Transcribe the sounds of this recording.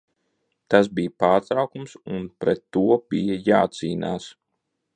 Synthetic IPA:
t̪as̬bijpaːɾt̪ɾawkumsunpɾɛt̪ːuɔb̥ijajaːt̪siːna̰ːs

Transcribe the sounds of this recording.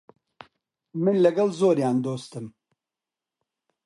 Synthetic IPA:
mɨnlɐɡɐlzoːɾjaːnd̪oːst̪ɨm

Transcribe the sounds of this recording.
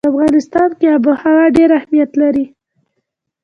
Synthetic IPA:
afɣɑnɪst̪ɑnkeabəhawaɖeɾahmijat̪laɾi

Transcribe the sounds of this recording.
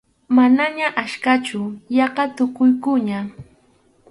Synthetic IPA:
manaɲaʔaʃkat͡ʃʊjɑɢɑt̪ʊkʊjkʊɲa

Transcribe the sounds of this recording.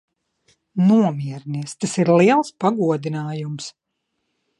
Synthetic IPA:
nuɔmiɛɾniɛst̪asiɾliɛlˠspaɡuɔd̪inaːjums

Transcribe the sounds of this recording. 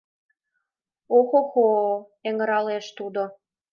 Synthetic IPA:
oxoxo | eŋə̆ɾɑleʃt̪ud̪o

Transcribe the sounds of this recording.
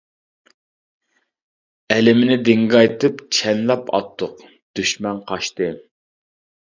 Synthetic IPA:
ɛlɪmɪnɪd̪ɪŋɡɑjt̪ɨpt͡ʃʰɛnlɛpʰɑ̰t̪ʰːʊq | d̪̥yʃmɛnqʰɑʃt̪ɨ

